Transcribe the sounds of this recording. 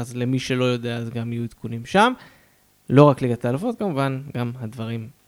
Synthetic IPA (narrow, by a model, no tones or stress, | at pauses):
azlemiʃelo̞jo̞d̪eazɡamijuit̪kunimʃam | lo̞ʁakliɡat̪alafo̞t̪̚kamuvanɡamhad̪vaʁim